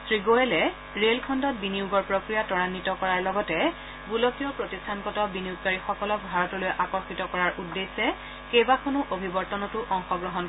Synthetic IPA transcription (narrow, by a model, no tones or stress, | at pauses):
sɹiɡoɛlɛ | ɹelkʰɔndɔt̚biniuɡɔɹpɹokɹijatɔɹanːitɔkɔɹaɹlɔɡɔtɛ | bulɔkijɔpɹotistʰankɔtɔbiniuɡ̚kaɹixɔkɔlɔk̚bʱaɹɔtɔlojʔakɔɹxitɔkɔɹaɹʔudːesɛ | kejbakonʊʔobʱibɔɹtɔnɔtʊʔɔŋxɔɡɹɔɦɔn